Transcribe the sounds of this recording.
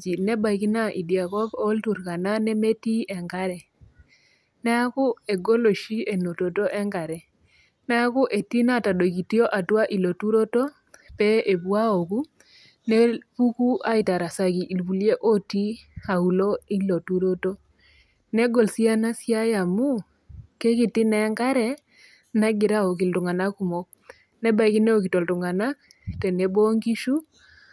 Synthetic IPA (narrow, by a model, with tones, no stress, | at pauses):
d͡ʒi˨nɛ˦ba˨˦ki˦na˦ʔḭ˨dja˨kɔ˦ɡo˦ltu˨ɾka˨na˦nɛ˦me˦ti˦ɛ˨ŋɡa˦ɾɛ˨ | nɛ˦a˦kʊ˦e˨ɡo˦lo˨ʃi˦e˨no˨to˨to˦ʔɛ˦ŋɡa˨ɾɛ˨ | nɛ˦a˦kʊ˦ʔe˨ti˦na˦˨ta˨do˨ɡi˨ti˦o˦ʔa˨twa˦ʔi˨lo˨tu˦ɾo˦to˦ | pɛ˦e˨bwa˦o˨ku˦ | ne˦pu˦ku˦ʔa˦ɪ˨ta˨ɾa˨sa˨ki˨ʔi˨lbu˨lje˦ʔo˦ti˦a˨u˨lo˦i˦lo˨tu˦ɾo˦to˦ | nɛ˦ɡo˨lsi˦a˦na˦sja˦ja˨mu˦ | kɛ˦kɪ˨tɪ˦nɛ˨˦ŋɡa˦ɾɛ˦ | na˦ɡɪ˨ɾa˦o˨kɪ˨ltʊ˨ŋa˨na˦ku˦˨mo˦k̚ | nɛ˦ba˨˦ki˦ne˦o˨ki˨to˨ltʊ˨ŋa˨na˦k̚ | tɛ˨ne˨bo˦ŋɡi˦ʃu˦